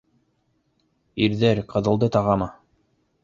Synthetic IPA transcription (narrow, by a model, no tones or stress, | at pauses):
iɾðæɾqʰɤ̆ðɤ̆lˠd̪ɤt̪ɑʁɑmɑ